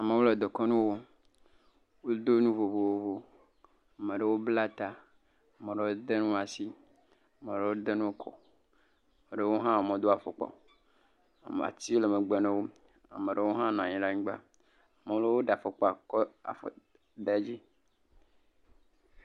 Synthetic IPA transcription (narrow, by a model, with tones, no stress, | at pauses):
a˨me˨wo˦le˨d̪ɔ˨kɔ˦nũ˦wo˦ | wo˦d̪o˦nũ˦vo˨vo˨wo˦vo˦ | a˨me˨ɖe˨wo˦bla˦t̪a˨ | a˨mẽ˨ɖe˨wo˦d̪e˦nũ˦a˨si˦ | a˨me˨ɖe˨wo˦d̪e˦nũ˦wo˦kʰɔ̰˨ | a˨me˨ɖe˦wo˦ɦã˦˨mɔ̃˨d̪o˦a˨fɔ˨k͡pɔ̰˨ | a̰˨mḛ˨a̰˨t̪i˦le˨me˨ɡ͡be˨nẽ˦wo˦ | a˨mẽ˨ɖe˦wo˦ɦã˦nɔ̃˨a˨ɲĩ˨ɖa˦ɲĩ˦ɡ͡ba̰˦ | a˨me˨wo˦le˦wo˦ɖa˨fɔ˨k͡pɔ˨a˨kɔ˦a̰˨fo̰˨ | d̪e˦d͡ʑi˦